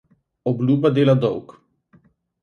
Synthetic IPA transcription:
ɔblʲuːbad̪eːlad̪ɔwk

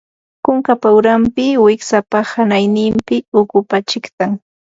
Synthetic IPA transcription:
kʊŋkapaʊɾampɪwɪksapahanajnɪmpɪʊkʊpat͡ʃɪkt̪aŋ

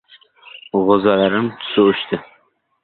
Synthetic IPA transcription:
ʁozalaɾɪmʰʊ̥sʊʊʃt̪ʰɪ

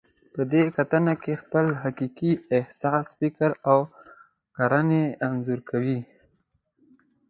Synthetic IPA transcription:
pəd̪ekat̪ənakexpəlɦakikiɪhsɑsfɪkəɾaw | kaɾaneanzuɾkawi

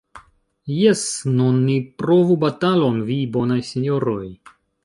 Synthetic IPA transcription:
jesnunːipɾovubat̪alonvibo̞najsenʲoɾoj

